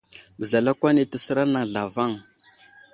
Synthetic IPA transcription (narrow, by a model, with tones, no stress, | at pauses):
bə˨za˨la˦kʷa˦ni˨tə˦sə˦ɾa˦na˨ŋ˨ɮa˨va˦˨ŋ